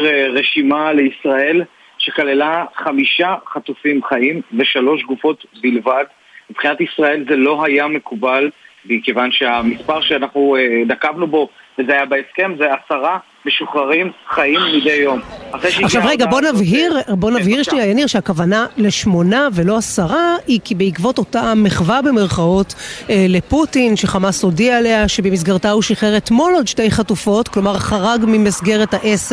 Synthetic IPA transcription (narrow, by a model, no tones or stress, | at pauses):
ʁeʃimale̞isʁae̞l | ʃekalelaχamiʃaχat̪ufimχaimve̞ʃalo̞ʃɡufo̞t̪bilvad̪ | mibχinat̪isʁae̞lzelo̞ɦajame̞kubal | bikevanʃe̞amispaʁʃeanaχnued̪akavnubo̞vezeajabeeske̞mzeasaʁa | me̞ʃuχʁaʁimχaimmid̪ejːo̞maχʁejʃaχʃavʁeɡabonavɦiʁbo̞navhiʁʃniajaniʁʃeakavanaleʃmo̞nave̞lo̞asaʁaikibeikvo̞to̞tameχvabemeʁχao̞tle̞putinʃe̞χamaso̞dialeaʃebemis̬ɡaʁtauʃiχeʁetmo̞lod̪ʃte̞jχatufo̞tklo̞maʁχaʁaɡmimisɡe̞ʁetaʔes